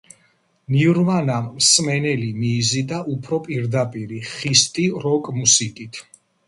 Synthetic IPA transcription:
niɾvanamːsmɛnɛlimiːzid̪aʔupʰɾɔpʼiɾd̪apʼiɾiχist̪ʼiɾɔkʼmusikʼit̪ʰ

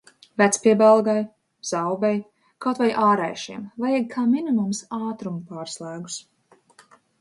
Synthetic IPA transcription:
væt̪spiɛbalˠɡaj | z̥awbɛj | kawt̪vajʔaːɾɛjʃiɛmvajaɡkʰaːminimumsaːt̪ɾumpaːɾslˠæːɡu̥s

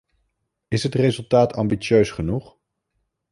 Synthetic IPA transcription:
ɪsɦətrezɵlˠtaːtɑmbit͡ʃøɥsχənuχ

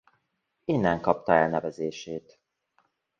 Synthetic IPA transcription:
eːnːɛŋkɒp̚t̪ɒɛlnɛvɛzeːʃeːt̪

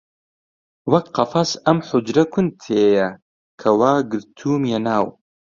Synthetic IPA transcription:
wɐkqɑfɐsɐmħʊd͡ʒɾɐkʰʊnd̪̚t̪ʰeːjɐ | kʰɐwaːɡɨɾt̪ʰuːmjɛnaːw

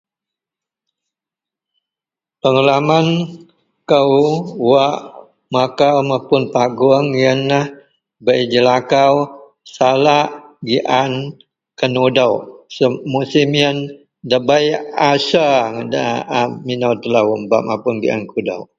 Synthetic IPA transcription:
pəŋalaman | kəwwaʔ | makawmapʊnpaɡuəŋjənːah | bəid͡ʒəlakaw | salaʔɡiʔan | kənudawsmusimijən | dəbajasaŋdaaminawt̪əlawʔmbaʔmapʊnɡiʔa̰nkuda̰w

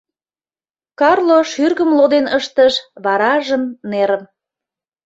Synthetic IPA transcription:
kɑrloʃyrɣəmlod̪enəʃt̪əʃβɑɾɑʒəmneɾəm

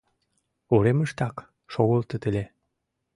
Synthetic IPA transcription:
uɾeməʃt̪ɑk | ʃoɣolt̪ə̆t̪əlʲe

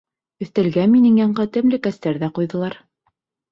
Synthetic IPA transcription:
ɵ̆θt̪æ̆lɡænminɘŋjɑɴɢɤt̪ɘ̆mlɘkæst̪æɾðæqujðɤ̆lˠɑɾ

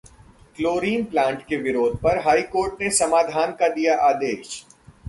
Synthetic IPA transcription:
kloːɾiːnplãːɳʈkeʋɪɾoːd̪̚ʱpɐɾɦaːikoːɾʈnesɐmaːd̪ʱaːnkad̪ijaʔaːd̪eːʃ

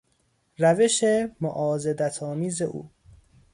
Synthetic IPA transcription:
ɾæveʃemo̰ʔɒːzed̪æt̪ʰɒːmiːze̞ʔṵː

